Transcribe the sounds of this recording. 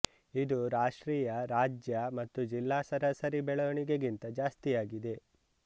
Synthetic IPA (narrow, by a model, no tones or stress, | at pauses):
id̪uɾaːʂʈɾiːjɐɾaːd͡ʒjɐmɐt̪ːud͡ʒilːaːsɐɾɐsɐɾibɛɭɐʋɐɳiɡeɡint̪ɐd͡ʒaːst̪ijaːɡid̪e̞